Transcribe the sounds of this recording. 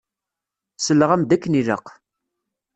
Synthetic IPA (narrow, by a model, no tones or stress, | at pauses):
səlːəʁæmd̪ækːənilə̰q